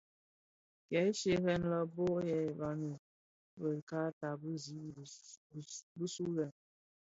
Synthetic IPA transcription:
kɛ˨˦ʃe˦ɾɛ˦nlə˦bo˦ʔjɛ˨ba˨nu˨ | bə˨ka˦ta˨bə˦zi˨˦˨ | bə˦su˦lɛ˨

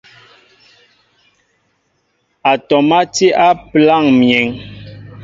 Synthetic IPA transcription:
a˨tɔ˨ma˦ti˦ʔa˦pla˦˨ŋmjɛ˨ŋ

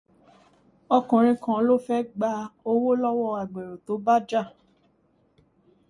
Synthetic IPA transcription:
ɔ˧kũ˨ɾ̃ĩ˧kã˨˦lo˦fɛ˦ɡ͡ba˧o˧wo˦lɔ˦wɔ˦˧a˨ɡ͡be˨ɾo˨to˨˦ba˦d͡ʒa˦˨

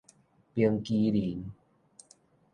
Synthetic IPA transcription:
pi˧əŋki˧li˨˩˦n

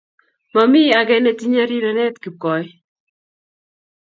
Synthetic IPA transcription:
ma˨mɪ˦a˨ɡɛ˦ne˨ti˦ɲa˦ɾi˦ɾa˨nɛ˦tki˨kɔ˨j

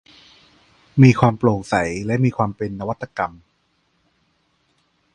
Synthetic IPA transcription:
miː˧kʰwaː˧mploː˨˩ŋsa˩˦jlɛ˦˥miː˧kʰwaː˧mpe˧nːa˧wa˦˥t̪ːa˧ka˧m

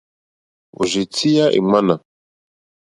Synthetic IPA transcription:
o̰˨ʒe˨tʰi˦ja˦ʔḛ˨ma˦na˨

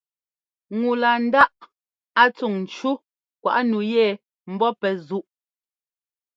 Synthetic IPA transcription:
ŋu˨la˨n̩˦da˦ʔ | a˦t͡su˨ŋn̩˨t͡ʃu˦ | kwa̰˨ʔnu˨jɛ˦˨ | m̩˨bɔ˦pɛ˨zu˦ʔ

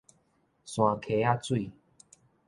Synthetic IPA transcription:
sw̃ã˨kʰe˨˦a˥˦˧t͡swi˥˨

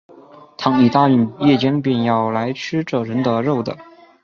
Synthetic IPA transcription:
t̪ʰɑ˧˥ŋi˨˩t̪a˥˧y˥˩njɛ˥˩t͡ɕjɛ˥npjɛ˥˧njɑ˥˩ʊla˧˥ɪʈ͡ʂ̩ʰ˥ʈ͡ʂɤ˥˩ɻə˧˥nd̪ə˧ɻo˥˩ʊd̪ə̰˩

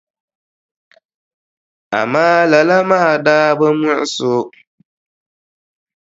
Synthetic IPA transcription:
a̰˨maː˦la˨la˦maː˦˨daː˦bə˦mɔ˦ʔɪ˦sʊ˦

